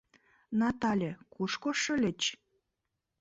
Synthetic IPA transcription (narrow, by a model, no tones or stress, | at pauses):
nɑt̪ɑlʲĕkuʃkoʃə̆lʲɘt͡ɕ